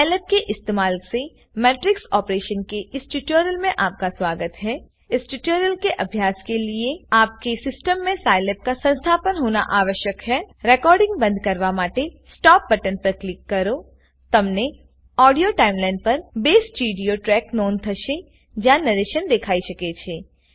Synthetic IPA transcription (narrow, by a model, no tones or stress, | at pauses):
alɛp̚keʔɪst̪eːmaːlse | mɛːʈɾɪksɔːpɾeːʃənkeʔɪsʈɪʈjoːɾəlmẽʔaːp̚kaswaːɡət̪ɦɛː | ɪsʈɪʈoːɾəlkeʔɐbʱjaːskelieaːp̚kesɪsʈəmːẽsaːɪleːp̚kasɐ̃nst̪ʰaːpənɦoːna̰ʔaːʋəʃjəkɦɛːɾɛːkɔːɾɖɪ̃ŋɡbɐ̃nd̪ʱkɐɾʋamaːʈesʈɔːp̚bɐʈənpɐɾklɪkːɐɾoː | t̪ɐmne | ɔːɖijoʈaːɪmlaːɪɳɖ̚pɐɾbeːsʈt͡ʃiːɖijoʈɾɛːknɔːnt̪ʰɐʃe | d͡ʒanɐɾeːʃənd̪ekʰaːiʃɐket͡ʃʰeː